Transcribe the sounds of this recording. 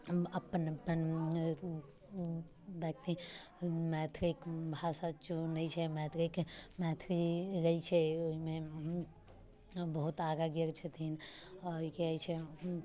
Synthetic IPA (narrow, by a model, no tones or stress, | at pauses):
əpːənəpːən | bjək̚t̪i | mɛt̪ʰɾikbʱasat͡ʃonəjt͡ʃʰɛmɛt̪ʰɾikmɛt̪ʰɾiɾəit͡ʃʰɛoɦime | bəɦut̪aɾaɡjəɾt͡ʃʰɛt̪ʰinɔɾoɦikeajt͡ʃʰɛ